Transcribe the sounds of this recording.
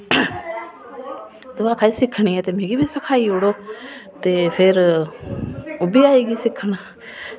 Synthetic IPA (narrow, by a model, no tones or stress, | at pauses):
d̪ʊʋaːkʰaːiːsɪkʰɽ̃iɛːt̪eːmẽːɡibʱiːsəkʰaːiʊɽoːt̪eːpʰɪɾ | ʊbiaːeːɡiːsɪkʰːɽaː